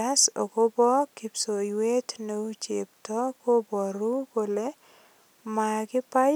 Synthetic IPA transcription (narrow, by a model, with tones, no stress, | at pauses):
a˦so̰˨ko˦bɔ˦kɪ˨pso˨we˦tneu˦t͡ʃep̚tɔ˦ko˦bɔ˨ɾu˦bole˦ | ma˨kɪ˦pa˦